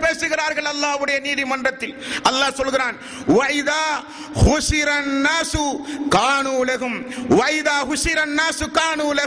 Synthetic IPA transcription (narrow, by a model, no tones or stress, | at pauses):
peːsɯɣɪɾaːɾɣɐɭɐlːaːʋɯɽɐjɐniːðimɐndrɐt̪ːɪlʔɐlːaːsɔlɣɪɾaːn | ʋɐʔɪðaː | ɣʊʃɪɾɐnːaːsʊkaːnuːlɐɦʊmʋɐɪðaːɣʊʃɪɾɐnːaːsʊkaːnuːlɐ